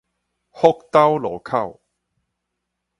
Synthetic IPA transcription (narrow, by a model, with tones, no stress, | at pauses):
ho˥k̚t̪ɐ˥wlɔː˨˩kʰɐ˥˩w